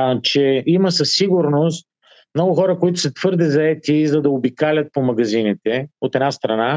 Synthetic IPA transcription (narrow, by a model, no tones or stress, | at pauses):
t͡ʃɛimɐsɐsːiɡʊɾnost̪̚ | mnɔɡʊxɔɾəkoit̪ʊsɐt̪v̥ɤɾd̪ɛzɐɛt̪izɐd̪ɐobikalʲət̪̚pomɐɡɐzinit̪ɛot̪ɛd̪nast̪ɾɐna